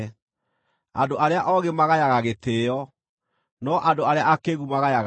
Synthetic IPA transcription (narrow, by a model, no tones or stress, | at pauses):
a̰doʔaɾeaʔɔɣemaɣajaɣaɣetejɔ | nɔʔadoaɾeaʔakeɣumaɣajaɣ